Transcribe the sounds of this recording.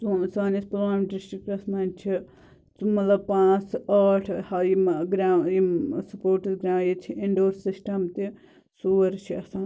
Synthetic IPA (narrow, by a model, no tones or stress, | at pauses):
t͡susaːnɐspɐlaːmɖɪsʈɾikpɐsmaːnt͡ʃʰi | t͡sumɐt̪lɐb̚pãːt͡saːʈʰhaiɡɾaːsɐpoːɾʈid̪ɡɾãːjit͡ʃʰiʔiɳɖoːɾsisʈɐmt̪i | suːɾt͡ʃʰiɐsaː